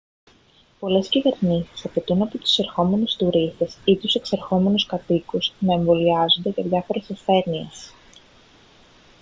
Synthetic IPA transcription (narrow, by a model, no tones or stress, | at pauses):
po̞le̞scive̞ɾnisi̥sɐpe̞t̪unɐpot̪u̥se̞ɾxo̞me̞nest̪uɾist̪e̞sit̪use̞kseɾxo̞me̞nuskɐt̪ikusnɐeɱvo̞liɐzo̞nd̪e̞ʝɐðʝɐfo̞ɾe̞sesθe̞ɾnie̞s